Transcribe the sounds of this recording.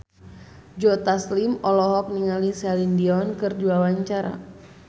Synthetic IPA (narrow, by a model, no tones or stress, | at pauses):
d͡ʒɔt̪aslimɔlɔɦɔk̚niŋalisɛlindiɔnkɨrduawaɲt͡ʃaɾa̰